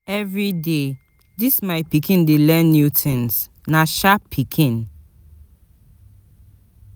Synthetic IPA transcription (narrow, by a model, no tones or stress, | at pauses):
ɛvɹide | dismaɪpikĩndelɛnːjutʰĩns | naʃapʰikʰĩn